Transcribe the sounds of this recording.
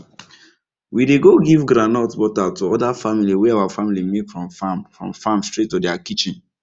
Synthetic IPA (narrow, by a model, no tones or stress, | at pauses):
wideɡoɡivɡɾãnɔtbɔtatuɔdafamiliwɛawafamilimekfɹɔ̃mfamfɹɔ̰̃mfãmstɹetːudɛakit͡ʃĩn